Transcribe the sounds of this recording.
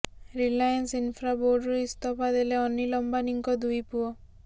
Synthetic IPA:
ɾilajansinfʰɾaboɖɾuist̪ɔpad̪eleɔnːilɔmbaniŋkɔd̪ujpuɔ

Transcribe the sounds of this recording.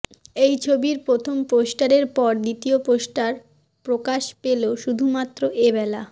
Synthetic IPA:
ejt͡ɕʰobiɾpɾot̪ʰomposʈaɾeɾpɔɾd̪it̪ioposʈaɾ | pɾokaʃpeloʃud̪ʱumat̪ːɾoʔebɛla

